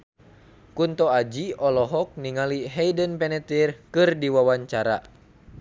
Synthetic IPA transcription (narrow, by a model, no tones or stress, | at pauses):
kunt̪ɔad͡ʒiɔlɔɦɔk̚niŋaliɦɛjdənpɛnɛt̪irkɨrdiwawaɲt͡ʃaɾa̰